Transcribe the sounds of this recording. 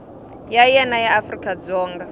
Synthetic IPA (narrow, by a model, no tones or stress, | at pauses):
jajɛnajafrikʼad͡zɔːŋɡa